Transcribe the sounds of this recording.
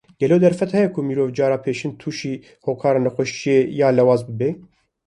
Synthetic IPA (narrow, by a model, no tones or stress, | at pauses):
ɡ̥ɛloːd̪ɛɾfɛt̪hɛjɛkʰʊmiːɾoːvd͡ʒɑːɾɑːpʰeːʃɪnt̪ʰuːʃiː | hoːkʰɑːɾɑːnɛxʷɛʃijejɑːlɛwɑːzbɨbe